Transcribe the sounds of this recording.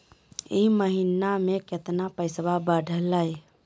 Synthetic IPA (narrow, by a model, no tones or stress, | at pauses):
iməɦinameket̪napəɪsbabəɖʱəlːəj